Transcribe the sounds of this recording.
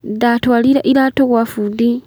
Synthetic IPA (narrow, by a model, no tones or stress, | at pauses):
datwaːliɾaʔiɾaːtoɣwafudi